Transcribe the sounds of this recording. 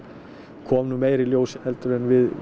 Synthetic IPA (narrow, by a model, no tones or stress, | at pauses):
kʰɔːmnʏmeːjɾɪljoːwsɪnhɛlt̪ʏɾɛnvɪð